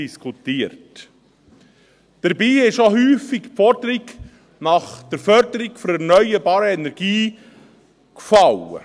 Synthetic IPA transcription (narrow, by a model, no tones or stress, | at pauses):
iskʰutiəɾt | d̥əɾbiːɪʃoɦyːfikpfɔɾd̥əɾiɡ | nɑχd̥əɾfœɾdəɾiɡfɔɾɛɾnœʏəɾbɑːɾəɛnɛɾɡ̥iː | kfɑwə̰